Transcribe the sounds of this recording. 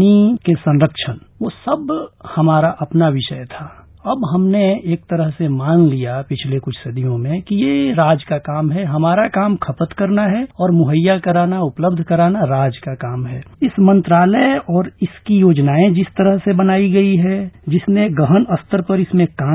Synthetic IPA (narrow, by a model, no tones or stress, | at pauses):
ikesɐ̃nɾəkʃənʋoːsɐbhɐmaːɾaʔɐpnaʋɪʃəjt̪ʰa | ɐbɦɐmneeːk̚t̪əɾəɦsemaːnlijapɪt͡ʃʰlekʊt͡ʃʰsɐd̪ijõmẽkijeɾaːd͡ʒkakaːmɦɛɦɐmaːɾakaːmkʰɐpət̪kɐɾnaɦɛɔːɾmʊɦəjːakɐɾaːnaʊpləbd̪ʱkɐɾaːnaɾaːd͡ʒkakaːmɦɛːɪsmə̃nt̪ɾaːləɔːɾɪskijoːd͡ʒnaːẽd͡ʒɪst̪əɾəɦsebɐnaːiɡɐiɦɛd͡ʒɪsneɡəɦənəst̪əɾpɐɾɪsmẽkaː